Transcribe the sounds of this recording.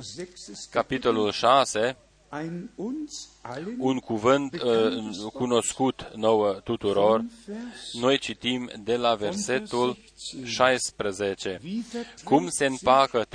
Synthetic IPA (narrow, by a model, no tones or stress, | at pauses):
kapit̪o̞lulʃase̞ | unkuvɨnt̪əkuno̞skut̪nowət̪ut̪uɾor | no̞jt͡ʃit̪imd̪e̞lave̞rse̞t̪ul | ʃajspɾəzet͡ʃekumse̞ɨnpakə